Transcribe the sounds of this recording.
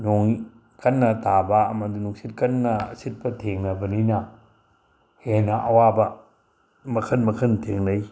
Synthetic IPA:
nɔŋi | kɐnːɐtabaːmandunuŋsit̚kɐnːɐ̰ːsit̚bɐtʰeŋnɐbɐninɐ | henɐʔɐwabɐ | mɐkʰɐnmɐkʰɐntʰeŋnaj

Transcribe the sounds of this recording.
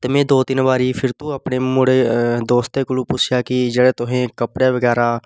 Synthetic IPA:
t̪ɪmẽd̪oːt̪ɪnbaːɾipʰɪɾt̪ũɐpnemʊɽed̪oːst̪ekʊlupʊt͡ʃʰjakid͡ʒəɽet̪ʊɦẽkəpɽjeʋəɡɛːɾa

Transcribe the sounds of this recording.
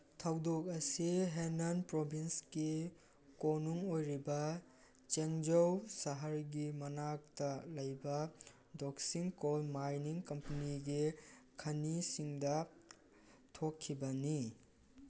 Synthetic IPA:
tʰɐwdok̚ɐsiɦenɐnpɾobʱinsɡi | konuŋojɾibɐ | t͡ʃeŋd͡ʒowsɐɦɐɾɡimɐnak̚tɐlɐjbɐ | doksiŋkolmajniŋkɐmpɐniɡikʰɐnisiŋdɐ | tʰokʰːibɐni

